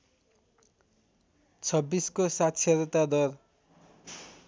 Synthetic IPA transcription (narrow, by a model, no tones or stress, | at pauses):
t͡sʰʌbːiskosat̪sʰeɾʌt̪ad̪ʌr